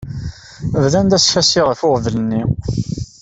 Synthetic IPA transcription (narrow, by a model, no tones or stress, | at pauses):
əvðænd̪æsfæsiʁfʊʁðlənːi